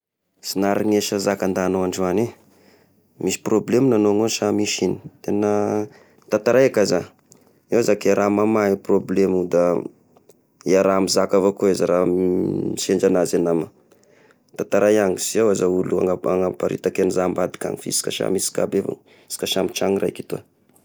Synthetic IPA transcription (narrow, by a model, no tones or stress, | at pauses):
sinaɾiŋeʃazakand̪anoaɳɖ͡ʐani | misi̥problemnanoŋoʃamiʃini̥t̪enə | t̪at̪aɾajakaza | ewzakeɾʔamamaiproblemud̪a | eaɾamizakavakoezaɾamiʃeɳd͡ʒanazanama | t̪at̪aɾajaŋisiawazaulua̰ŋaaŋapaɾḭt̪akenizambad̪i̥ka̰ŋifḭsi̥ka̰ʃa̰misi̥ka̰beva̰ŋ | si̥kaʃamit͡ʃaŋira̰jkit̪ua̰